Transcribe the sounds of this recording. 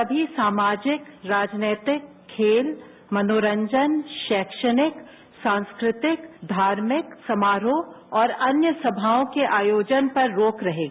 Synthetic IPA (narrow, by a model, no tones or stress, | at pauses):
sɐbʱisaːmaːd͡ʒɪkɾaːd͡ʒneːt̪ɪkʰːeːl | mɐnoːɾə̃ɲd͡ʒənʃɛːkʃənɪk | sãːnskɾɪt̪ɪkd̪ʱaːɾmɪksɐmaːɾõɔːɾɐnjəsɐbʱaːõkeʔaːjoːd͡ʒənpɐɾːoːkɾɐɦẽː